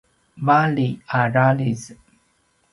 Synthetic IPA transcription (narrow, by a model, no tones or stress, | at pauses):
valiaɾaliz